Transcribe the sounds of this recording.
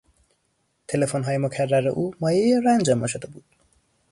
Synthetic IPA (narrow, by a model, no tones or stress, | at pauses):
t̪ʰelepʰonɦʌjmʌkʰarːaɾʌʔumʌjeɾand͡zʌmʌsʌt̪ʌbu